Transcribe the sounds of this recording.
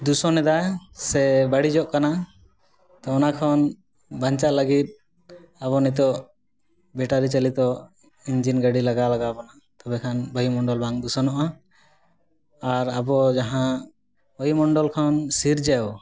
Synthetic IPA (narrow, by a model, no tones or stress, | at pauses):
d̪usɔnɛd̪ajsɛbaɽid͡ʒɔʔkana | t̪ɔɔnakʰɔn | bʱãɲt͡ʃaʔləɡit̪̚ | aβɔnit̪̬ɔ | bɛʈaɾit͡ʃalit̪ɔ | iɲd͡ʒinɡaɖilaɡalaɡabɔna | t̪ɔbɛkʰanbɔjimɔɳɖɔlbaŋd̪usɔnɔʔa | aɾabɔd͡ʒaɦã | bəjmɔɳɖɔlkʰɔnsiɾd͡ʒɛw